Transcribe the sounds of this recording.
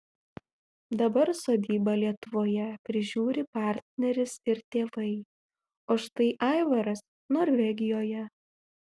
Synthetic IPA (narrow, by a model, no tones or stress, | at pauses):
d̪ɐbɐɾsoːd̪ʲiːbɐlʲiɛt̪ʊʋoːjɛpʲɾʲɪʒʲuːɾʲɪpɑˑɾʲt̪ʲnʲɛɾʲɪsɪɾt̪ʲeːʋɐɪ | oːʃt̪ɐɪʔɑˑɪʋɐɾɐs | noːɾʲʋʲɛɡʲɪjoːjɛ